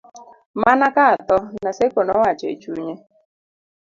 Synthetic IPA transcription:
manakat̪ɔnasekonɔwat͡ʃḛt͡ʃuɲe

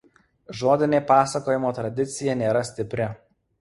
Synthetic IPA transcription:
ʒoːd̪ʲɪnʲepɑːsɐkoːjɪmoːt̪ɾɐd̪ʲɪt̪sʲɪjɛnʲeːɾɐsʲt̪ʲɪpʲɾʲɪ

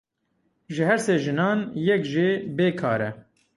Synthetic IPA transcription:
ʒɨhɛɾseːʒɨnɑːnjɛkʒebeːkʰɑ̰ːɾɛ̰

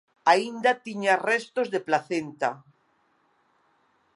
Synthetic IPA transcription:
aind̪at̪iɲarest̪ozðeplaθent̪a

